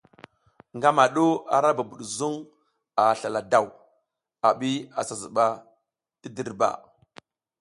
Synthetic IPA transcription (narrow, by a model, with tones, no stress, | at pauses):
ŋɡa˦ma˨ɗo˦a̰˨ɾa˦ba˨bu˨ɗzu˦ŋ | a˨ɬa˨la˨da˨w | a˨ɓi˦a˨sa˨zṵ˨ɓa˦ | ti˦di˦˨ɾba̰˨